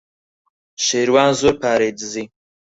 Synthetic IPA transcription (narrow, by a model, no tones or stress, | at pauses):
ʃeːɾwaːnzuɾpʰaːɾed̪ɨzi